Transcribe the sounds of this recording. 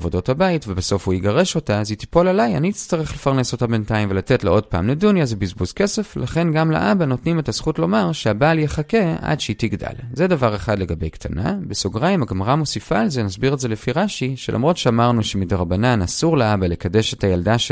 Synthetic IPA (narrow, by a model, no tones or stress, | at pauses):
vo̞do̞thabaitvebeso̞fhuiɡaʁe̞ʃo̞taziti̥po̞lalajaniit͡st̪aʁeχle̞faʁneso̞tabe̞ntaimve̞latetleo̞d̚pa̰ːmledunjazebizbuzke̞se̞flaχe̞nɡamlḛʔabano̞tnime̞taz̥χutlo̞maʁʃeabaljeχake̞a̰dʃeitiɡda̰lzedavaʁe̞χadle̞ɡabe̞jktʰana̰besoɡʁaimaɡmaʁamo̞sifaːlze̞nasbiʁelzelefiʁaʃiʃelʔa̰mʁo̞tʃeamaʁnuʃemideʁabananasuʁleabale̞kade̞ʃe̞tajaldaʃ